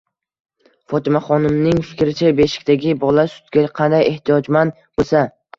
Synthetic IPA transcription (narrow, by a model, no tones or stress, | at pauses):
fɒt̪ʰɪmaχɒnɪmnɪŋfɪ̥kʲɾɪt͡ʃʰabe̞ʃɪ̥kʲt̪aɡʲɪbɒlˠasʊ̥t̪ɡʲaqʰɑnd̪ajeht̪ʰijɒd͡ʒman | bosa